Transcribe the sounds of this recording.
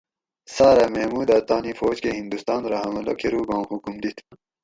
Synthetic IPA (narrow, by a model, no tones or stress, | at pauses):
saːɾamehmuːd̪aːt̪aːnifoːd͡ʑkeɦĩnd̪ust̪aːnɾɐɦɐmɐlɐ̰kʰeɾuːbãːnhukumd̪it̪ʰ